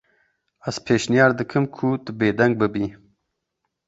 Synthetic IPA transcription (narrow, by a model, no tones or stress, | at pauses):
az̥pʰeːʃnijɑːɾd̪ɨkʰɨmkʰut̪ɨbeːd̪ɐŋɡ̚bɨbiː